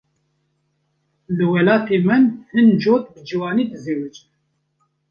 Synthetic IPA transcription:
lɨwɛlɑːt̪ʰeːmɨnhɨnd͡ʒoːt̪̚bɨd͡ʒiwɑːniːd̪ɨzeːwɛt͡ʃ

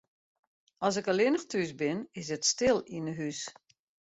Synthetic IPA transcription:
ɔs̬ɪkəlɪnəxtʰysbɪnɪsətstɪlˠinəɦys

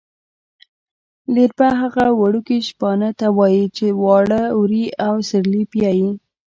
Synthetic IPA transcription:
liɾbaɦaɣawaɽukiʃpɑnət̪awɑjit͡ʃewɑɽəwɾiawsɪɾlipjɑji

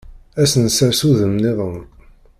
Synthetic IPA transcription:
æsənsəɾsuðəmnɪðˤəm

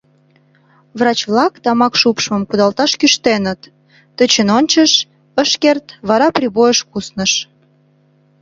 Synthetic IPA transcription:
βrɑt͡ɕβlɑkt̪ɑmɑkʃupʃməmkud̪ɑlt̪ɑʃkyʃt̪enət̪ː | ət͡ɕənonʲt͡ɕəʃ | əʃkert̪βɑɾɑprʲiβojəʃkusnəʃ

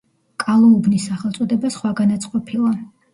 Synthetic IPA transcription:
kʼalˠɔubnisːaχɛlˠt̪sʼɔd̪ɛbasχwaɡanat̪sʼqʼɔpʰilˠa

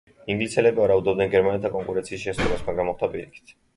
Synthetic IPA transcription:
iŋɡlisɛlɛbiaɾaud̪ɔb̚dnɛnɡɛɾmanɛt̪ʰakʼɔŋkʼuɾɛnt̪sʰiːsʃɛsɔlasmaɡɾamːɔχt̪ʰapʼiɾikʰi̥t̪ʰ

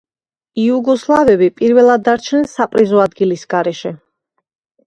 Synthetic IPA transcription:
iuɡɔslˠavɛbipʼiɾvɛlˠad̪ːaɾt͡ʃʰnɛnsapʼɾizɔad̪ɡilisɡ̥aɾɛʃɛ

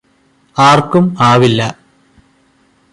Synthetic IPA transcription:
aːrkumaːʋilːɐ

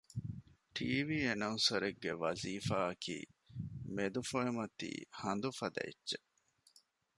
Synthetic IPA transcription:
ʈiːʋiːenɐnsɐɾeɡːeʋɐziːfaːɐkʰḭːmed̪ufoemɐt̪ḭːhɐnd̪ufɐd̪ɐ̰ḛtːt͡ʃe

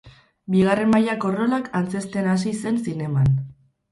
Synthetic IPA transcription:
biɣ̞are̞mmajako̞ro̞lakant͡se̞st̪enas̬ise̞nsine̞man

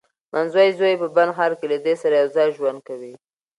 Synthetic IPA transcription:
mʔanzwɑjzojepəbanxɑɾkelad̪esaɾajawzɑjʒwand̪̚kawi

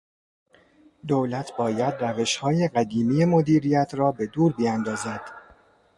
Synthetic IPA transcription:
d̪owlæt̪ʰbɒːjæd̪ræve̞ʃhɒːjeɢæd̪iːmijemod̪iːɾijæt̪ʰɾɒːbe̞d̪uːɾbiænd̪ɒːzæd̪̥

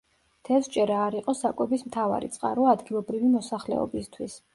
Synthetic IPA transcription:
t̪ʰɛlsd͡ʒʼɛɾaːɾiqʼɔsakʼwɛbismt̪ʰava̰ɾḭt̪sʼqʼa̰ɾwaːd̪ɡilˠɔbɾivimɔsaχlɛ̰ɔ̰bist̪ʰwis

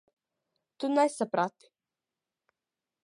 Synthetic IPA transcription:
t̪unajsapɾat̪i̥

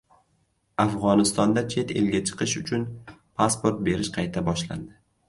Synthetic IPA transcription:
afʁɒnɪst̪ɒnd̪at͡ʃʰe̞t̪ḛlɡʲat͡ʃʰɨ̥qʰɨʃʊt͡ʃʰʊnpʰaspo̞ɾt̪̚be̞ɾɪʃqʰɑjt̪ʰabɒʃla̰nd̪ɪ

